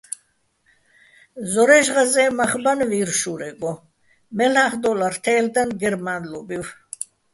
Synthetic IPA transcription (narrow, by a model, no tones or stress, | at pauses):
zɔɾɛʒʁazɛmaχbanviɾʃuɾɛɡɔ | mɛlaχd̪ɔlaɾt̪ʰɛːld̪anɡɛɾmanlubiw